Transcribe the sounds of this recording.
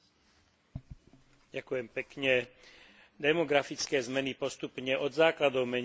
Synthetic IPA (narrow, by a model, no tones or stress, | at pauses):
ɟakujɛmpɛkɲɛ | d̪ɛmɔɡɾafit͡skɛːzmɛnipɔst̪upɲɛʔɔd̪zaːklad̪ɔʊmɛɲ